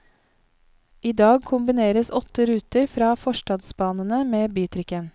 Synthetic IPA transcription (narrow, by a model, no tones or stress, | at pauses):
iːd̪ɑːɡ̚kʰʊmbɪneːɾəsɔt̪əɾʉːt̪əɾfɾɑːfɔʃʈɑd̪sbɑːnənəmeːbyːt̪ʰɾʏkən